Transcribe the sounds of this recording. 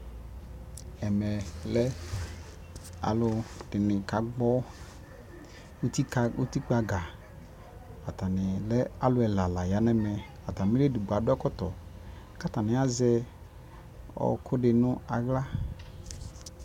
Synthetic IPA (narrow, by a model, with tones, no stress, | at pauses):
ɛ˨mɛ˨lɛ˦ | a̰˨lʊ˧dɪ˨nɪ˨ka˨ɡ͡bɔ˦ | u˦t̪i˦ka˨u˦t̪i˦k͡pa˨ɡa˨ | a˨t̪a˨nɪ˨lɛ˦a˨˦lʊ˦ɛ˨la˨la˨ja˨˦nɛ˦mɛ˨ | a˨t̪a˨mĩ˦le˦du˨ɡ͡ba˨˦dʊ˦a˦kɔ˦t̪ɔ˨ | ka˦t̪a˨nɪ̃˨˦a˦zɛ˦ | ɔ̰˨kʰʊ˦ɖɪ˨nʊ̃˦a̰˨ɣla˦